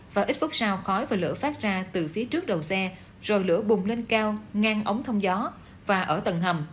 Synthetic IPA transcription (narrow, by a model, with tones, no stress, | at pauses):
vaː˨˩ʔi˦˥t̚fu˦˥k͡p̚saː˧wxɔ˨˦jvaː˨˩lɨ̰˧˥əfaː˦˥t̚zaː˧t̪ɨ˨˩fi˨˦t͡ɕɨ˦˥ək̚ɗə˨˩wsɛ˧ | z̥o˨˩jlɨ̰˧˥əɓʊ˨˩ŋ͡mle˧nkaː˧wŋaː˧ŋʔə˨˦wŋ͡mt̪ʰə˧wŋ͡mzɔ˨˦ | vaː˨˩ʔəː˧˩t̪ə˨˩nɦə˨˩m